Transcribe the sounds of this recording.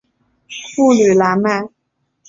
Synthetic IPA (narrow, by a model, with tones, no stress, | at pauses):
fu˥˩ly˨˩la˧˥˦ma˥˩˦